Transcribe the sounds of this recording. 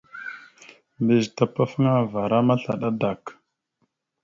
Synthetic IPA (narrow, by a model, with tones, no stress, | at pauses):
mbe˨zta˨pa˦fə˦ŋa˦va˨ɾa˦ma˦ɬa˨ɗa˦da˨k